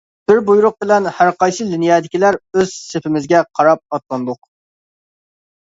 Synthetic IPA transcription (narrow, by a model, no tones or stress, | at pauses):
b̥ɪɾbujuɾʊq̚bɪlɛnhæɾqɑjsɨd̪ɪnijɑːd̪ɪkʲilæɾøz̥sepʰɪmɪzɡʲɛqʰɑɾɑp̚ɑt̪̚lˠɑnd̪ʊq